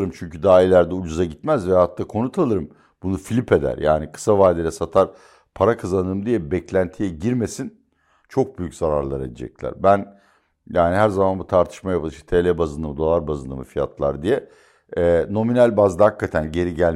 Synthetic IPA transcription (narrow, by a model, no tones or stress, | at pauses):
ɾɯmt͡ʃʰyɲcyd̪aːilʲæɾd̪ɛud͡ʒuzaɟit̪mæzvɛat̪ːakʰo̞nut̪ʰalˠɯɾɯm | b̥unufilʲipʰe̞d̪æ̰ɾja̰ːnikʰɯ̥savaːd̪elʲɛsat̪ʰaɾ | pʰaɾakʰazanɯːmd̪ijɛbɛclʲænt̪ʰijɛɟiɾme̞sin | t͡ʃʰo̞k̚byjyczaɾaɾlˠaɾed̪ḛd͡ʒɛ̰clʲæ̰ɾbæn | jaːniɦæɾzamanbut̪ʰaɾt̪ʰɯ̥ʃmajapʰɯlˠɯʃt̪ɛt̪ʰelʲɛbazɯnd̪ɯmɯd̪o̞lˠaɾbazɯnd̪ɯ̰mɯ̰fija̰t̪ʰlˠa̰ɾd̪ijɛ | ɛno̞minælʲbazd̪hakʰːat̪ʰænɟe̞ɾiɟælʲ